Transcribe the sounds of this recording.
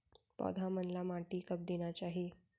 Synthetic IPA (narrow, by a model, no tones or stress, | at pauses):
pɔ̰d̪ʱamənlamãʈikəb̚d̪enat͡ɕaːɦie